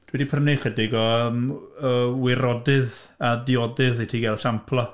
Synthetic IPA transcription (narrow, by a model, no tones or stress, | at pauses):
d̥ʰwɛdipʰənɪχədɪɡɔəməwɪɾɔdɨð | adɪɔdɨðetʰiɡɛlsampʰlˠɔ